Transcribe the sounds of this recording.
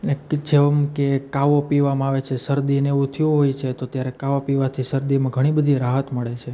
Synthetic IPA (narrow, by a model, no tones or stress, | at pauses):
əned͡ʒeʋəmkekaʋopiʋamãaʋet͡ʃʰesəɾd̪ineut̪ʰijũɦojt͡ʃʰet̪oət̪jaɾekaʋapiʋat̪ʰisəɾd̪imãɡʱəɽ̃ibəd̪ʱiɾaɦət̪məɭet͡ʃʰe